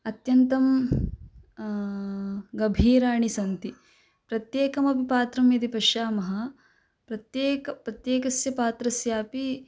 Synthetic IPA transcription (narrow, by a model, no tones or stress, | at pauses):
ɐt̪jɐnt̪ɐm | ɡɐbʱiːɾaːɳisɐnt̪i | pɾɐt̪jeːkɐmɐpipaːt̪ɾɐmjɐd̪ipɐʃaːmɐɦɐ̆ | pɾɐt̪jeːkɐpɾɐt̪jeːkɐsjɐpaːt̪ɾɐsjaːpi